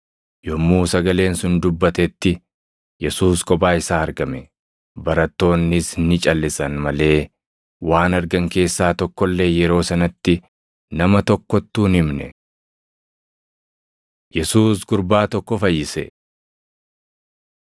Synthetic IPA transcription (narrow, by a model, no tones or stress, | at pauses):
jɔmːuːsɐɡɐle̞ːnsʊnd̪ʊbːɐt̪ɛt̪ːɪ | jɛsuːskʼɔbaːɪsaːɐɾɡɐmɛ | bɐɾɐt̪ːo̞ːnːɪsnɪt͡ʃʼɐlːɪsɐnmɐle̞ː | waːnɐɾɡɐŋke̞ːsːaːt̪ɔkːɔlːe̞ːjɛɾo̞ːsɐnɐt̪ːɪ | nɐmɐt̪ɔkːɔt̪ːuːnɪmnɛ̰ | jɛsuːsɡʊɾbaːt̪ɔkːɔfɐjːɪsɛ̰